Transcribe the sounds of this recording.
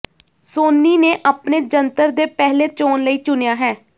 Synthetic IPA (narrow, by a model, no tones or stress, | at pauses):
soːniːneːʔaːpneːd͡ʒənt̪əɾd̪eːpɛːleːt͡ʃoːnləiːt͡ʃʊnejaːɦɛː